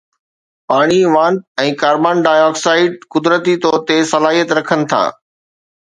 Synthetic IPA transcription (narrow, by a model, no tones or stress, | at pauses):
paːɽ̃iʋãːnɖ̚ɛ̃ːkaːɾbaːnɖaːjɔːksaːɪɖ̚kʊd̪ɾət̪it̪ɔːɾt̪esɐlaːɦijət̪ɾɐkʰənɪ̆t̪ʰa̰ː